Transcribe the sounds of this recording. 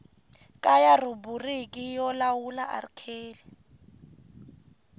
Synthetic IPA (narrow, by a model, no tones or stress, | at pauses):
kʼajaruburikʼijɔlawulaʔa̰rikʰeːli